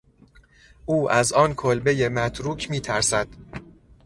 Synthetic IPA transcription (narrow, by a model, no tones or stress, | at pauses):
ʔuːʔæzɒːnkʰolbeje̞mæt̪ʰɾuːcʰmiːt̪ʰæɾsæd̪̥